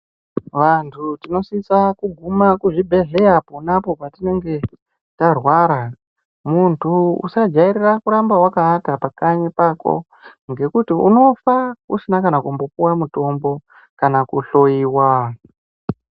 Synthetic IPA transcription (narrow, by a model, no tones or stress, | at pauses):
ʋantʰutino̞sisakuɡʱumakuʐibʱe̞ɮe̞japonapo̞patine̞ŋɡe̞ | tarwaɾa | muntʰuṵsad͡ʒaiɾirakuɾambawakaːtapakaɲipako̞̰ | ŋɡe̞kutiṵno̞faṵsinakanakumbo̞puwamuto̞mbo̞ | kanakuɬo̞jiːwa